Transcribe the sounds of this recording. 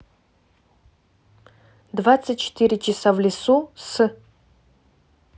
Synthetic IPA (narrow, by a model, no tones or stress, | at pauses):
dvat͡sːɨt̚ʲt͡ʃʰːe̥tʰiɾʲɪt͡ʃʰɪsavlʲisusɨ